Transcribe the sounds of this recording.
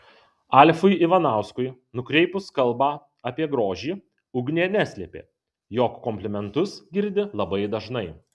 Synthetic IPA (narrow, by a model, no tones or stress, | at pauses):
ɑlʲfʊɪɪʋɐnɑˑʊskʊɪnʊkɾʲɛɪpʊskɐlˠbɑː | ɐpʲiɛɡɾoːʒʲiː | ʊɡnʲeːnʲæsʲlʲɛpʲḛː | joːkːɔmʲpʲlʲɪmʲɛnt̪ʊsɡʲɪɾʲd̪ʲɪlˠɐbɐɪd̪ɐʒnɐɪ